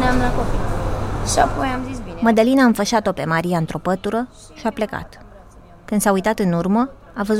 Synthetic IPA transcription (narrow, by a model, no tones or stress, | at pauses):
neamlakopiʃiapojamzisbinməd̪əlinaɨɱfəʃat̪o̞pe̞maɾijaɨnt̪ɾo̞pət̪uɾə | ʃiaple̞ka̰t̪ | kɨnd̪saujt̪at̪ɨnurmə | avəz